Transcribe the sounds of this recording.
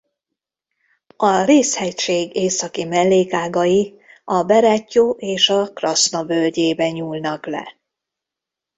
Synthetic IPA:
ɒreːshɛcʃeːɡeːsɒkimɛlːeːkaːɡɒji | ɒbɛɾɛcːoːʔeːʃɒkrɒsnɒbølɟeːbɛɲuːlnɒklɛ̰

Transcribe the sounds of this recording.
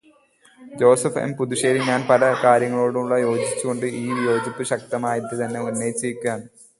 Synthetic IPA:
d͡ʑo̞ːsɐfḛmpuðuɕe̞ːɾiɲaːnpɐlɐkaːɾjɐŋːɐɭo̞ːɽuuɭːɐjo̞ːd͡ʑit͡ɕːuɣo̞ɳɖɨʔiːjo̞ːd͡ʑɐt̪ːɨɕɐk̚t̪ɐmaːjit̪ːɨt̪ɐnːe̞unːeːjt͡ɕːijkʲːaːn

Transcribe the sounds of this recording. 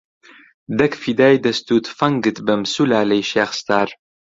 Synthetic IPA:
d̪ɐkfid̪aːjd̪ɐst̪ʰuːt̪ʰfɐŋɡɨt̪bɐmsulaːlɐjʃaːχst̪ʰaːɾ

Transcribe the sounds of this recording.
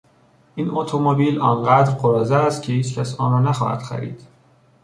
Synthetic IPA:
ʔiːnʔot̪ʰomobiːlɒːnɢæːd̪ɾɢoɾɒːzæːst̪̚cʰehiːt͡ʃcʰʲæsɒːnɾɒːnæxɒ̰ːhæ̰d̪̥xæ̰ɾḭːd̪̥

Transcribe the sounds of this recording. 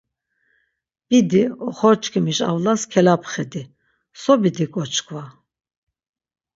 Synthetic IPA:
b̥id̪iɔχɔɾt͡ʃʼkʰimiʃa̰vlaskʰɛlapχɛd̪i | sɔbid̪ikʼɔt͡ʃʰʼkʰʼva

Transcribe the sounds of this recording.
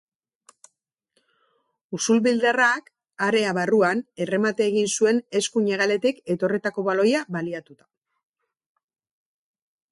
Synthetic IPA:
usulβild̪arak | aɾe̞aβaruane̞re̞mat̪eːɣinsue̞ne̞skuɲe̞ɣ̞ale̞t̪ike̞t̪o̞ret̪ako̞βalo̞jaβaliat̪ut̪ḁ

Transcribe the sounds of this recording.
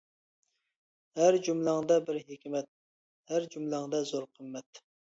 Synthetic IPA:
hæɾd͡ʒumlˠɑŋd̪ɑbɪɾɦekʲʰmɛt̪̚ | hæɾd͡ʒumlˠɑŋd̪ɑzoɾqʰəmːɛt̪

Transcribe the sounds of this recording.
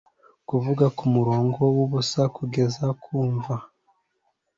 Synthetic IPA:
kuvuɡakumuɾo̞ːŋɡo̞wuβusakuɡe̞zakʰuːɱva

